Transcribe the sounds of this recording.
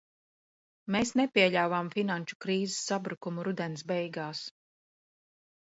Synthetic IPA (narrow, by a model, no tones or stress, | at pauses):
meːsnepʲiɛʎʲawvamfinanʃu̥kɾiːzɪsːabɾukumuɾud̪ɛnsbɛjɡaːs